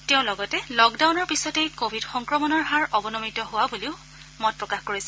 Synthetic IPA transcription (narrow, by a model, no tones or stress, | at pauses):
teʊ̃lɔɡɔtɛlɔkdawnɔɹpisɔtejkobʱidxɔŋkɹɔmɔnɔɹɦaɹɔbɔnɔmitɔɦʊwabuliʊ | mɔt̚pɹɔkaxkoɹisɛ